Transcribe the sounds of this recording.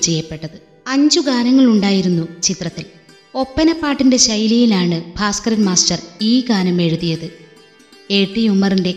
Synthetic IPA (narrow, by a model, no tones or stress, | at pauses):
t͡ɕe̞jːɐpːe̞ʈːɐðɨ | ɐɲd͡ʑuɡaːnɐŋːɐɭuɳɖaːjiɾunːut͡ɕit̪rɐt̪ːil | o̞pːɐnɐpːaːʈːinde̞ɕɐjlijilaːɳɨbʱaːskɐrɐnmaːsʈɐriːɡaːnɐme̞ɻuðijɐðɨ | e̞ːʈːijumːɐrinde̞